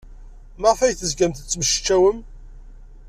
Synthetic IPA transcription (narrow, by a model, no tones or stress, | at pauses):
məʁfæjθəzɡæmθət͡sːməʃə̥t͡ʃːæwəm